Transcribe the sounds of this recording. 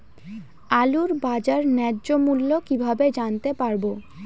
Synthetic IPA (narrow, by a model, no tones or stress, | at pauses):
aluɾbad͡ʑaɾnɛdd͡ʑomulːokibʱabed͡ʑant̪epaɾbo